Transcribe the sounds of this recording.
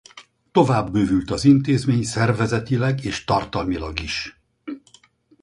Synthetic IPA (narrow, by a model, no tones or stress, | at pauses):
t̪o̞vaːbːøːvylt̪ɒzint̪eːzmeːɲsɛrvɛzɛt̪ilɛɡeːʃt̪ɒrt̪ɒlmilɒ̰ɡiʃ